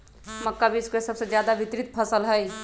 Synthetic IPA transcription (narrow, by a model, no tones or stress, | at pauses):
məkːabiskesəbsed͡ʒjad̪abit̪ɾit̪̚pʰəsəlɦəj